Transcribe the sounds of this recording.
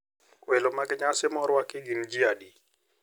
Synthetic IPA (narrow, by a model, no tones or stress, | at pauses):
wɛlomaɡɲasɪmɔɾwakɪɡind͡ʒiadi